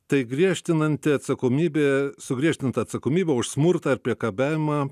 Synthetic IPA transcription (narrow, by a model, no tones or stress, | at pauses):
t̪ɐɪɡɾʲiɛʃʲt̪ʲɪnɐnʲt̪ʲɪɐt̪sɐkoːmʲiːbʲeːsʊɡɾʲiɛʃʲt̪ʲɪnt̪ɐɐt̪sɐkoːmʲiːbʲɛʊʃsmʊɾt̪ɑːɪɾpʲiɛkɐbʲæːʋʲɪmɑː